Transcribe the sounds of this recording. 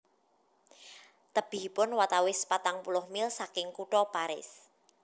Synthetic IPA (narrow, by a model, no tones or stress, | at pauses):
t̪əb̥i̤pʊnwat̪awɪspat̪aŋpulʊhmɪlsakɪŋkuʈɔpaɾɪ̰s